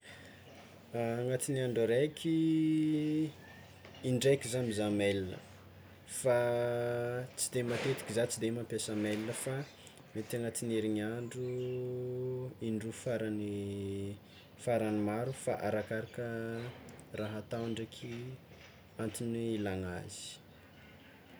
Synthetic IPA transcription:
ŋat̪inaɳɖ͡ʐaɾekʰʲi | iɳɖ͡ʐekizamizamelinə̰ | fa | t͡sid̪emat̪et̪i̥kʲizat͡sid̪emampjasəmelinəfa | met̪aŋat̪ineɾiɲaɳɖ͡ʐu | iɳɖ͡ʐufaɾani | faɾanimaɾufa̰ʔaɾakaɾakə | raɦat̪aɳɖ͡ʐekʲʰi | ant̪iniilaŋazi̥

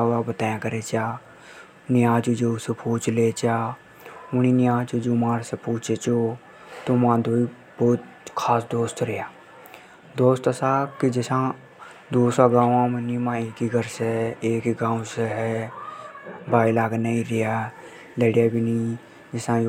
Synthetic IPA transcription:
abət̪aːjãkəɾet͡ʃaː | nɪjãːt͡ʃud͡ʒeʊsepuːt͡ʃlet͡ʃaː | ʊninijãːt͡ʃud͡ʒumaːɾsepuːt͡ʃet͡ʃo | t̪omãd̪oːi | bɔːt̪ | kʰaːsd̪oːst̪ɾɪjaː | d̪oːst̪əsakid͡ʒɪsã | d̪oːsaɡãːãmənimãːeːkiɡʱəɾseeːkiɡãːũseɦɛ | baːilaːɡnaĩɾɪja | leɽijabʱini | d͡ʒɪsã

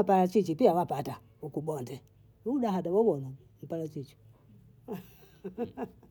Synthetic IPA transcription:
paɾat͡ʃit͡ʃipiawapata | ukuɓɔntɛ | udaɦadaβɔwɔna | m̩paɾat͡ʃit͡ʃi̥

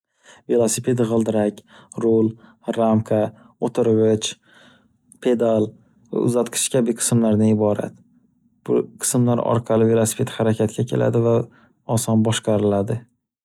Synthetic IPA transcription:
velˠosɪpʰe̞d̪ʁɨlˠd̪ɪɾakʲɾolˠ | ɾamkʰa | ot̪ʰɪɾʁɪt͡ʃ | pʰe̞d̪alˠ | va̰ʊ̰zat̪qʰɨ̥ʃkʲʰabɪqʰɨ̥smlaɾnaɪbɒɾa̰t̪ | b̥ʊqʰɨ̥smlaɾɒ̰ɾqʰɑlɪvelˠosɪ̥pʰet̪haɾakʲʰat̪̚kʲʰakʲʰe̞̰lʔa̰d̪ɪva | ɒsɒnbɒʃqɑɾɪlad̪ɪ

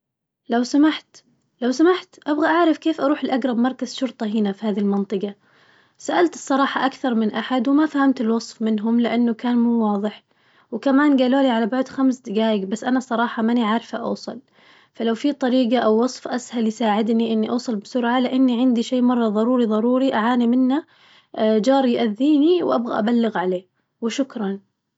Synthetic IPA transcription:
lawsamaħt̪ | lawsamaħt̪ʔabɣaʔaʕɾɪfkeːfʔɑɾˤuːħɪlʔaɡɾˤɑbmɑɾˤkazʃʊɾt̪ˤɑɦɪnafihaːðilmɑnt̪ˤɨqɑ | saʔalt̪ɨ̥sˤːɑɾˤɑːħɑʔakθɑɾˤmɪnʔaħad̪wɪmafahamt̪ɪlwɑsˤfmɪnɦʊmlɪʔanːʊkaːnmuːwɑːðˤɨħ | wkamaːnɡaːloːliʕalabʊʕd̪xamsd̪ɪɡaːjɪɡbasːʔanasˤɑɾˤɑːħɑmaniʕaɾˤfaʔɑ̰wsˤɑ̰l | falawfit̪ˤɑɾiːqɑʔawːɑsˤfʔashaljsaːʕɪd̪niʔɪnːiʔɑwsˤɑlbɪsʊɾʕalɪʔanːiʕɪnd̪iʃeːmɑrˤːɑðˤɑɾˤuːɾiðˤɑɾuːɾiʔaʕaːnimɪnːa | d͡ʒɑːɾˤjʔaðːiːniwʔa̰bɣa̰ʔabalːɪɣʕaleː | wɪʃʊkɾˤɑn

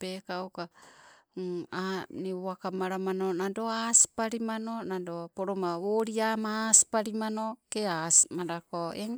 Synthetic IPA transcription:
pekaoka | anioakamaɾamanonadoaspaɾimanonadopoɾomaβoɾiamaːspaɾimanokeasmaɾakoe

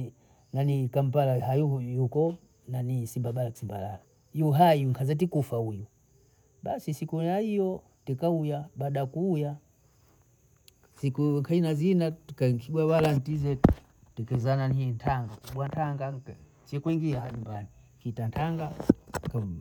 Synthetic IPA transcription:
nanikam̩palaɦajujukɔ | nanisimbaɓalaki̥simba̰lala | juɦajuŋkʰazat̬ikufauju | ɓasisikujaijɔ | tikaujaɓaːɗakuːja | sikukʰainazinatkaŋkʰiɡwawalan̩tizɛt | tɛkɛzananintʰaŋɡakuɓwantʰaŋɡa | sɛkwiŋɡiaaɲumbani | kitantʰaŋɡaka

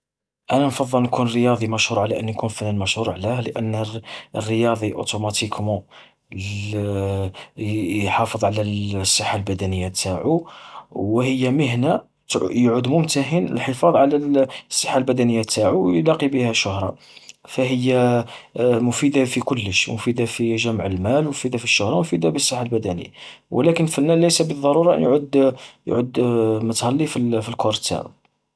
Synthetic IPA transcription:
ʔænænfɑd̪ˤːəlnkunrəjɑd̪ˤimæʃhuɾˤʕalæʔənːkunfənænmæʃhuɾˤʕlæhləʔənːərːəjɑd̪ˤiʔo̰t̪umɑt̪ikʰmɑ | ħɑfəðˤʕlæsˤːɑħːalbæd̪ænəjːat̪aʕu | whəjːaməɦna | jʕud̪mʊmt̪aɦənə̰lħəfɑðˤʕalæsˤːɑħːalbæd̪ænəjːat̪aʕuwjlɑqibəhæʃʊhɾˤɑ̰ | fæɦəjːa | mʊfid̪afikʊlːəʃmʊfid̪afiʒæmʕəlmælmʊfid̪afiʃːʊhɾˤɑmʊfid̪abisˤːɑħːalbæd̪ænə̰jːa̰wə̰lækənfənːælæjsæbəðˤːɑɾˤuɾˤɑʔə̰njʕd̪j̰ʕəd̪mʊt̪xælːifilfilkoɾt̪a̰ɾṵ

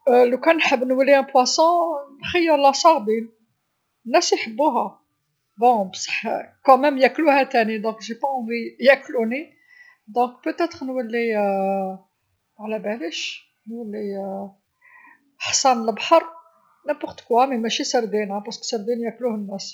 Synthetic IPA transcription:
lukænħəbːnwəlːiæ̃pwæsɑ̃nxəjːəɾlæsˤɑʁd̪in | nːæsjħəbːuɦæ | bɔ̃bsˤɑ̥ħkæmæmjækluhæt̪ænid̪ɔ̃kʒipɑ̃vijækluni | d̪ɔ̃kpøt̪æt̪ʁnwælːi | ʕlæbæləʃ | nwælːi | ħsɑnləbħəɾˤ | næ̃pʊʁt̪kwæmimæʃisəɾd̪inæpɑʁsksəɾd̪injækluhənːæs

